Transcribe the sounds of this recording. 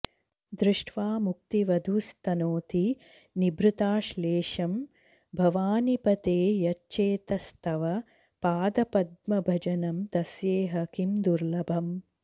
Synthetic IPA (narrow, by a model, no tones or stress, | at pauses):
d̪ɾuʂʈʰʋaːmuk̚t̪iʋɐd̪ʱust̪ɐnoːt̪i | nibɾut̪aːʃleːʃɐm | bʱɐʋaːnipɐt̪eːjɐtːʃeːt̪ɐst̪ʰɐʋɐ | paːd̪ɐpɐd̪̚mɐbʱɐd͡ʒɐnɐmd̪ɐsjeːɦɐkimd̪uɾlɐbʱɐm